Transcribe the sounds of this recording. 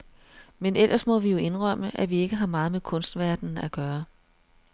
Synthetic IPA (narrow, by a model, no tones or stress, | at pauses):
menelʔɐsmɒ̽ʋijo̝e̝nʁœm̰əʔæʋie̝ɡ̥əɦɑ̈mɑ̈ːð̞̩ˠmeðkʰɔ̽nsd̥ʋæɐd̥n̩æɡ̥ɶːɐ